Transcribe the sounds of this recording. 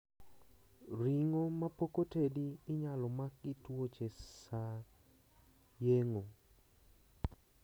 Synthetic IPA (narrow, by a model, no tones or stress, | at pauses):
ɾiŋomapokotediːɲalɔmak̚ːɪtwot͡ʃesa | jeŋo